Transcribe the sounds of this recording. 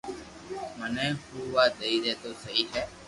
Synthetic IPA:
mənɛ̃ːhuːʋaːd̪eːiːɾeːt̪oːsəɦiːɦɛː

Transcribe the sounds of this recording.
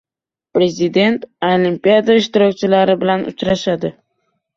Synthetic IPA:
pɾe̞zid̪e̞nt̪olimpijad̪aɪʃt̪ɪɾɒkʲt͡ʃʰɪlaɾɪbɪlanʊ̰t͡ʃɾaʃad̪ɪ

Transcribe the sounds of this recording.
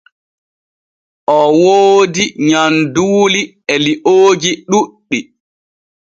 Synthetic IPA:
ʔɔwoːdiɲanduːli | ɛliʔoːd͡ʒiɗuɗːi

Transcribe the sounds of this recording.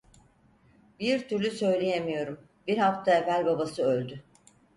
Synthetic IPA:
biɾt̪ʰyɾlʲysø̞jlʲejemijo̞ɾum | biɾhaft̪ʰaevælʲbabasɯølʲd̪y

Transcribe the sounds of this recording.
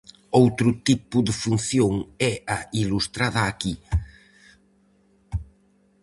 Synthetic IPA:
owt̪ɾʊt̪ipʊðəfun̟θjoŋɛailust̪ɾaðɐːki

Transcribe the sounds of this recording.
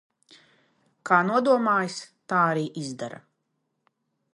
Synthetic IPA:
kaːnuɔd̪uɔmaːjst̪aːaɾiːʔizd̪a̰ɾa̰

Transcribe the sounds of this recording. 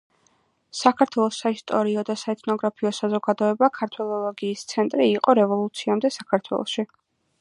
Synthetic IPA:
sakʰaɾt̪ʰwɛlˠɔsaist̪ʼɔɾiɔd̪asaɛt̪ʰʼnɔɡɾapʰiɔsazɔɡad̪ɔɛbakʰaɾt̪ʰwɛlˠɔlˠɔɡiːst̪sʰɛnt̪ʼɾiːqʼɔɾɛvɔlˠut̪sʰiamd̪ɛsakʰaɾt̪ʰwɛ̰lˠɔ̰ʃi

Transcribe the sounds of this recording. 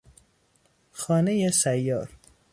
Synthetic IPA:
xɒːnejesæjːɒːɾ

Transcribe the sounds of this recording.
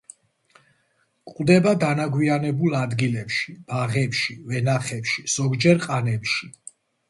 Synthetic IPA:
kʼd̪ɛbad̪anaɡwianɛbulˠad̪ɡilɛpʃib̥aʁɛpʃivɛnaχɛpʃiz̥ɔɡd͡ʒɛɾqʼanɛpʃi

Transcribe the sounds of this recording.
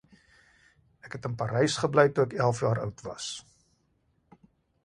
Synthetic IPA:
ækɦɛtənpɐɾɛjsχəblɛjtuɛkælˠfjɑːɾœ̰wtvɐ̰s

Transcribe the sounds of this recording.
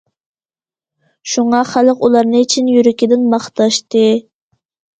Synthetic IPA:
ʃuŋɑχælˠəqulˠɑɾnɨit͡ʃʰinjyɾɪkʲid̪ɪnmɑχt̪ɑʃt̪ɨ

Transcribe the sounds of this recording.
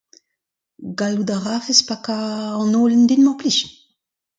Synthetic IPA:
ɡalud̪aʁaːfespakaɑ̃noːlend̪inmɑ̃pliʃ

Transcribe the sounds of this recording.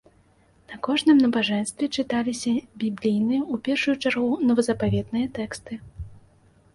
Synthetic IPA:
nɐkɔʐnɨmnɐbaʐɛnst̪vʲɛt͡ʂɨt̪alʲisʲɐbʲiblʲijnɨjɐupʲɛrʂujut͡ʂarɣunɐvɐzɐpavʲɛd̪nɨjɐt̪ɛkst̪ɨ

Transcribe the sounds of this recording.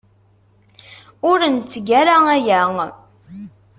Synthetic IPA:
ʊɾənt͡sːəɡæɾaæjæŋ

